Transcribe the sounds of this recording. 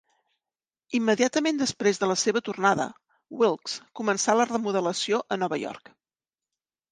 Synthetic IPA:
imːəðiat̪əmend̪əspɾezðələseβət̪urnaðə̰ | wilˠkskumənsalərəmuðələsioʔənɔβəjɔ̰rk

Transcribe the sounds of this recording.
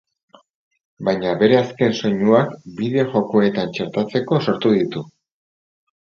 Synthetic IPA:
bajɲaβe̞ɾe̞aske̞nso̞ɲuakbiðeʝo̞koe̞t̪ant͡ʃeɾt̪at͡se̞ko̞soɾt̪uðit̪u

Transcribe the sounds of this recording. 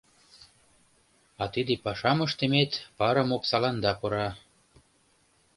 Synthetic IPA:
ɑt̪id̪epɑʃɑməʃt̪ĕmet̪pɑɾɤ̆moksɑlɑnd̪ɑpɤ̆ɾɑ

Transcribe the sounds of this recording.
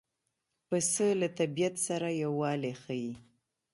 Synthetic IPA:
pəsəlat̪abijat̪saɾajawːɑlexaji

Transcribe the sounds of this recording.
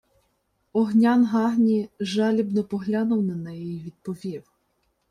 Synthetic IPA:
ɔɦnʲanɦɑɦnʲiʒɑlʲibnɔpɔɦlʲanʊwnɐnɛjɛjiʋʲid̪̥̚pɔʋʲiw

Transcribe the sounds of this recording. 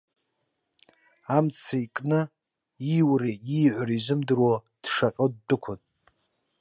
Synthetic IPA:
amt͡sʰaikʼnɨ | iwriiʕʷarizʷɨmdrwo | d̥ʂaqʲʼɨd̚ːɨkʷʰʊn

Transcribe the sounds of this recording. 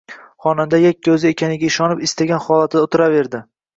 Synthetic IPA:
χɒnamd̪ajakʲːɵzɪekʲʰanɪɡʲaɪʃɒnɪpɪst̪aɡʲanχɒlˠat̪ʰd̪aot̪ʰɪɾave̞ɾd̪ɪ

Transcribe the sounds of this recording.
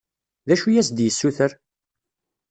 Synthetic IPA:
ðæʃujæsd̪jəsːuθəɾ

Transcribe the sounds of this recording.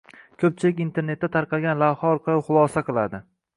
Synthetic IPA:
kʲʰɵp̚t͡ʃʰɪlɪkʲint̪ʰe̞ɾne̞t̪ːat̪ʰaɾqɑlˠɡʲanlavhaɒɾqʰɑlˠɪχʊlˠɒsaqɨlˠad̪ɪ

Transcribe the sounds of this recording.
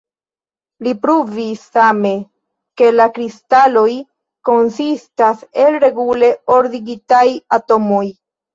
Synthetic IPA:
lipɾuvisːame̞ | ke̞lakɾistalo̞j | ko̞nsistase̞lɾe̞ɡule̞o̞ɾdiɡitajato̞mo̞j

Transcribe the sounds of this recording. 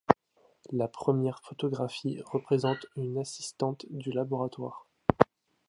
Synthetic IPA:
lapχəmjɛʁfɔt̪ɔɡʁafiʁəpχezɑ̃t̪ynasist̪ɑ̃t̪d̪ylabɔʁat̪waːʁ

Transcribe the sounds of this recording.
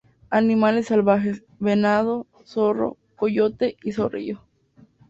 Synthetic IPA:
animale̞sːalβaxes | βenað̞o̞ | soro̰ | koʝot̪e̞isorḭʝo

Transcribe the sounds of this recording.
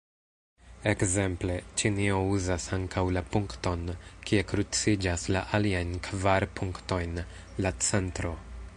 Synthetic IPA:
e̞kze̞mple̞t͡ʃinio̞uzasaŋkʰawlapuŋkto̞nkie̞kɾut͡sid͡ʒaslaʔaliajnkʰvaɾpʰuŋkto̞jn | lat͡se̞ntɾo̞

